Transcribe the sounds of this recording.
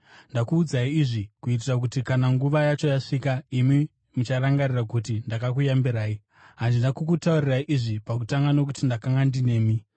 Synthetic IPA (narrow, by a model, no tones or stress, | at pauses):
ndakuːd͡zaiːʐikuit̬irak̬utikanaŋɡuʋajat͡ʃo̞jaʂikaimi | mut͡ʃaɾaŋɡarirakutindakakujambiɾaːi | ɦandindakukutauriraiʔiʐipak̬utaŋɡanokutindakaŋɡandine̞ːmi